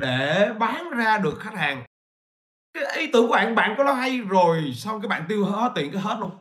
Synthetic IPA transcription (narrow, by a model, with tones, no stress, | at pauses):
ɗe˧˩˨ɓaː˨˦nzaː˧ɗɨ˨˩ək̚xa˦˥k̟̚haː˨˩ŋ | kaː˨˦jʔi˨˦t̪ɨ˨˧˨ku˧˩˦ɓa̰ː˧˨nɓa̰ː˧˨nkɔ˨˦lɔ˨˦ɦa˧jzo˨˩jsɔ˧wŋ͡mkaː˨˦jɓa̰ː˧˨nt̪i˧əwɔ˦˥t̪ḭ˧˨əŋkaː˨˦jɦe˦˥t̚lu˧ŋ͡m